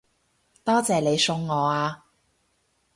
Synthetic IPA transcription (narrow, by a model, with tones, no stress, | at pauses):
t̪ɔː˥t͡sɛː˨ne˨˧jsʊ˧ŋːɔː˨˧aː˧